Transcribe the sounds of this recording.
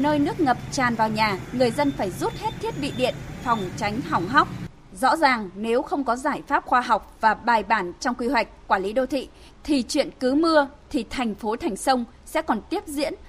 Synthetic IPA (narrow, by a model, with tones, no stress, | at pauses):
nəː˧jnɨ˦˥ək̚ŋə˨˩p̚t͡ɕaː˨˩nvaː˨˩wɲaː˨˩ŋɨ˨˩əjzə˧nfaː˧˩jzu˦˥t̚he˦˥t̚t̪ʰi˦˥ət̚ɓḭ˧˨ɗḭ˧˨ənfɔ˨˩wŋ͡mt͡ɕa˨˦jŋ̟ɦa˨˩wŋ͡mɦa˦˥wk͡p̚ | zɔ̰˧˥zaː˨˩ŋne˨˦wxə˧wŋ͡mkɔ˨˦zaː˧˩jfaː˦˥p̚xwaː˧ɦa˨˩wk͡p̚vaː˨˩ɓaː˨˩jɓaː˧˩nt͡ɕɔ˧wŋ͡mkwi˧ɦwa˨˩jk̟̚kːwaː˧˩li˨˦ɗo˧t̪ʰḭ˧˨ | t̪ʰi˨˩t͡ɕwḭ˧˨ənkɨ˨˦mɨ˧ət̪ʰi˨˩t̪ʰa˨˩jŋ̟fo˨˦t̪ʰɛ˨˩jŋ̟sə˧wŋ͡m | sɛ̰˧˥kɔ˨˩nt̪i˦˥əp̚zḭ˧˥ən